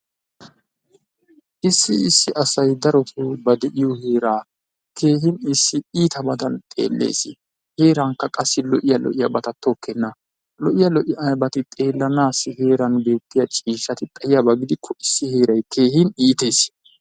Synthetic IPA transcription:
ʔɪsːɪɪsːɪʔɐsɐjd̪ɐɾɔt̪ʰubɐd̪ɛʔɪjɔheːɾaː | kʰe̞ːhɪnɪsːɪiːt̪ɐbɐd̪ɐnt̪ʼe̞̰ːlːḛːsɪ | he̞ːɾɐŋkːɐkʼɐsːɪlɔʔɪjɐlɔ̰ʔɪjɐbɐt̪ɐt̪ːɔkːɛnːɐ | lɔʔɪjɐlɔʔɪbɐt̪ɪt̪ʼe̞ːlːɐnaːsːɪhe̞ːɾɐnbe̞ːt̪ːɪjɐt͡ʃʼiːʃːɐt̪ɪt̪ʼɐjɪjabɐɡɪd̪ɪkʰːɔɪsːɪhe̞ːɾɐjkʰe̞ːhɪniːt̪e̞ːs

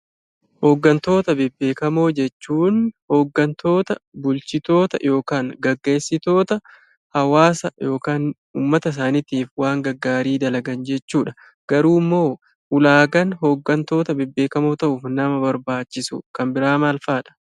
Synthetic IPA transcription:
hoːɡːɐnt̪o̞ːt̪ɐbɪbːe̞ːkɐmo̞ːd͡ʒɛt͡ʃːuːnho̞ːɡːɐnt̪o̞ːt̪ɐbʊlt͡ʃɪt̪o̞ːt̪ɐ̰jo̞ːkaːŋɡɐɡːe̞ːsːɪt̪o̞ːt̪ɐ | hɐwaːsɐjo̞ːkaːn | ṵːmːɐt̪ɐs̬aːnɪt̪iːfwaːŋɡɐɡːaːɾiːd̪ɐlɐɡɐnd͡ʒɛt͡ʃːuːᶑɐ̥ | ɡ̥ɐɾuːɪmːo̞ː | ʔʊlaːɡɐnɦo̞ːɡːɐnt̪o̞ːt̪ɐbɪbːe̞ːkɐmoːt̪ɐʔʊfnɐmɐbɐɾbaːt͡ʃːɪsʊ̰kɐmbɪɾaːmaːlfaːᶑɐ̥

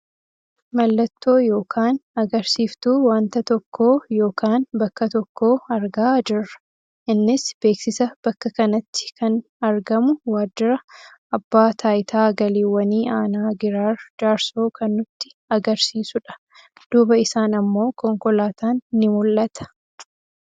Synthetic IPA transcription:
mɐlːɐt̪ːo̞ːjo̞ːkʰaːnɐɡɐɾsiːft̪uːwaːnt̪ɐt̪ɔkʰːo̞ːjo̞ːkaːnbɐkːɐt̪ɔkːo̞ːɐɾɡaːd͡ʒɪrːɐ̥ | ʔɪnːɪsb̥e̞ːksɪsɐb̥ɐkːɐkɐnɐt̪ːɪ̥kʰɐn | ɐɾɡɐmʊwaːd͡ʒːɪɾɐ | ɐbːaːt̪ʰaːjɪt̪ʰaːɡɐliːwːɐniːaːnaːɡɪɾaːɾd͡ʒaːɾsoːkɐnːʊt̪ːɪ̥ | ɐɡɐɾsiːsʊᶑɐ̥ | d̪̥uːbɐɪsaːnɐmːo̞ːkɔŋkɔlaːt̪aːnːɪmʊlːɐt̪ʰɐ̥

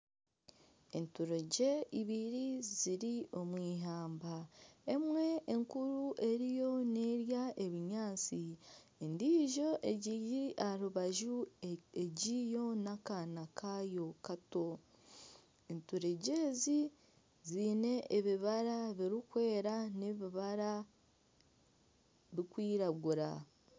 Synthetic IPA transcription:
entuɾe̞ɟe̞iβiɾiziɾio̞mwiːɦaːmbae̞mwe̞ʔːŋkuɾuʔe̞ɾijo̞ne̞ːɾjaʔe̞βiɲaːt͡si | endiːʒo̞ʔeɟiiaɾuβaʒueɟijo̞nakanakʰajo̞kato̞ | entuɾeɟe̞zi | ziːne̞ʔeβiβaɾaβiɾikwe̞ːɾane̞βiβaɾa | βikwiːɾaɡuɾa̰

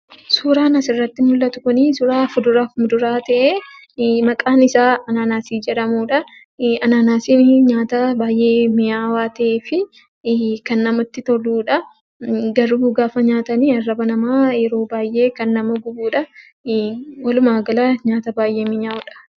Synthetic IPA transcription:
suːɾaːnɐsɪrːɐt̪ːɪmʊlːɐt̪ʊ̥kʊnisʊɾaːfʊd̪ʊɾaːmʊd̪ʊɾaːt̪ɐʔeː | mɐkʼaːnɪsaːɐnaːnaːsiːd͡ʒɛᶑɐmuːᶑɐ | ɐnaːnaːsiːɲaːt̪ɐbaːjʔe̞ːmɪjaːwaːt̪ɐʔeːfɪ | kɐnːɐmɐt̪ːɪt̪ɔɾduːᶑɐ | ɡɐɾuːɡaːfɐɲaːt̪ɐniːɐrːɐbɐnɐmaːjɛɾo̞ːbaːjʔe̞ːkɐnːɐmɐɡʊbuːᶑɐ | wɐlʊmaːɡɐlɐɲaːt̪ɐbaːjʔe̞ːmɪɲaːɔᶑɐ̥

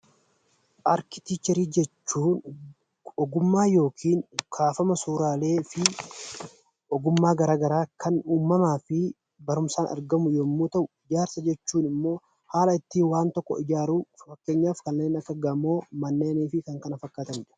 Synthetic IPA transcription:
ʔaɾkɪt̪iːt͡ʃːɛɾiːd͡ʒɛt͡ʃːuːn | ɔɡʊmːaːjo̞ːkʰiːŋkʰaːfɐmɐsuːɾaːle̞ːfɪ | ʔɔɡʊmːaːɡɐɾaːɡɐɾaːkʰɐnuːmːɐmaːfɪ | bɐɾʊmsaːnʔɐ̰ɾɡɐmʊjomːuːt̪ɐʔʊɪd͡ʒaːɾsɐd͡ʒɛt͡ʃːuːnɪmːo̞ː | haːlɐɪt̪ːiːwaːnt̪ɔkːɔ̰ɪd͡ʒaːɾuːfɐkːeːɲːaːfkɐnːeːnɐkːɐɡɐmːoːmɐnːe̞ːniːfɪkɐŋkɐnɐfɐkːaːt̪ɐmɪᶑɐ̥

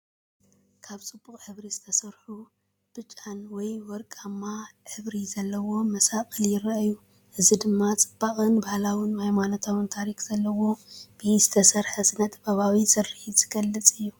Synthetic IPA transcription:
kʰaβt͡sʼɨb̥ːuχʼʕɨβɾizɨt̪ʰɐsɐɾħu | b̥ɨt͡ʃʼːanwɔjwɔɾkʼamːaʕɨβɾizɐlːɐwo̞mɐsakʼɨljɪrɐju | ʔɨzid̪ɨmːat͡sʼɨb̥ːakʼɨnbahlawɨnhajmanot̪ʰawɨnt̪ʰaɾikz̥ɐlːɐwo̞b̥ɨzɨt̪ʰɐsɐɾħɐzɨnɐt̪baβawizɨrɨħizɨɡɐlːɨt͡sʼɨjːu

